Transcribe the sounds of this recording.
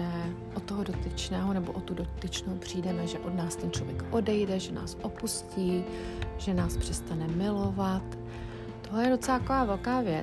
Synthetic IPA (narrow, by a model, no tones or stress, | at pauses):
ɛ | ʔot̪ːoɦodo̞t̪ɪt͡ʃnɛːɦonɛbo̞̰ʔot̪udot̪ɪt͡ʃnowpr̝̥iːdɛmɛʒɛʔo̞dnaːst̪ɛnt͡ʃlo̞vjɛkʔo̞dɛjdɛʒɛna̰ːsʔo̞pusciː | ʒ̥ɛnaːspr̥ɛst̪anɛmɪlo̞vat̪ː | oɦlɛjɛdo̞t͡sɛlaakovaːvɛlkaːvjɛ